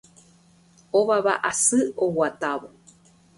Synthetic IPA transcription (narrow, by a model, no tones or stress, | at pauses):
oʋaβa̰ʔasɨowat̪aʋo